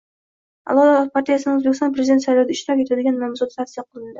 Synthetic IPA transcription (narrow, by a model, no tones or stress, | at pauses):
a̰lˠɒd̪ɾpʰaɾt̪ijasɪnɪŋɵzbekʲst̪ɔnpɾezʲd̪e̞nsajlawd̪aɪʃt̪ɾap̚ʲkʲjead̪ɪɡʲanmamzɔt̪t̪ʰat̪sijaqʰʊlˠɪnd̪ɪ